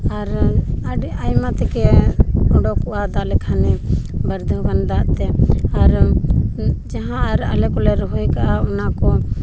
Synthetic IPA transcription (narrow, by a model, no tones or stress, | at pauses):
aɾaɖajmat̪ɛkɛɔɖɔkɔʔad̪aʔlɛkʰanɛbəɾd̪ʱəband̪aʔt̪ɛaɾ | d͡ʒaɦãaɾa̰lɛkɔlɛɾɔɦujkaʔaɔnakɔ